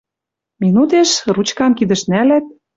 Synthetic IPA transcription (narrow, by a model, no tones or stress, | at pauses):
minut̪eʃrut͡ɕkɑmkid̪ə̆ʃnælæt̪̚